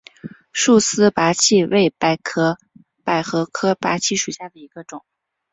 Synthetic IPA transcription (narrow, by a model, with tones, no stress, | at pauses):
ʂu˥˩sɹ̩˥pa˧˥t͡ɕʰi˥˧we˥˩ɪpa˧˩ɪkʰɤ˥ | pa˨˩ɪxɤ˧˥kʰɤ˥pa˧˥t͡ɕʰi˥˩ʂu˨˩ɕja˥˩d̪ə˩i˧˥ɡ̥ə˧ʈ͡ʂʊ˨˩˦ŋ